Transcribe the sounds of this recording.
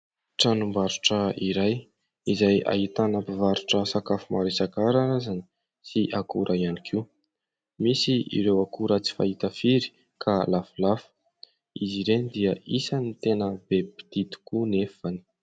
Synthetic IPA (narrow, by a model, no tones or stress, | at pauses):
ʈ͡ʂanumbaɾuʈ͡ʂəiɾaj | izaja̰ɦit̪anapivaɾuʈ͡ʂəsakafumaɾesakaɾaɾazani̥ | siʔakuɾʔaianikʰiu | misiḭɾewakuɾət͡si̥fa̰it̪əfiɾi̥ | kʰalafulafə̥ | iziɾenid̪iəisanit̪enəbepi̥d̪̥it̪u̥kunefani̥